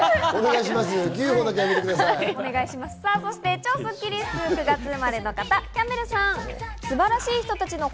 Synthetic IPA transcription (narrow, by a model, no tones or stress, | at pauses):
oneɡaiɕimas̬ɨɡʲɯːhoːd̪akejaɡet̪ekɯd̪asaone̞ɡaiɕimasɨ̥saːso̞ɕi̥t̪e̞t͡ɕo̞ːsokʲːiɾʲist͡sɨkɯ̟ɡat͡sɨɯmaɾe̞no̞kat̪akʲame̞ɾɯ̟sãŋ̃sɨbaɾaɕiːçi̥t̪o̞t̪at͡ɕino̞